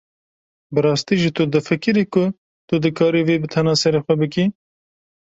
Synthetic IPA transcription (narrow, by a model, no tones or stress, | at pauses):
bɨɾɑːst̪iːʒit̪ʊd̪ɨfɨkɨɾiːkʊ | t̪ʊd̪ɨkʰɑːɾiːveːbɨt̪ʰɛnɑːsɛɾeːxʷɛbɨki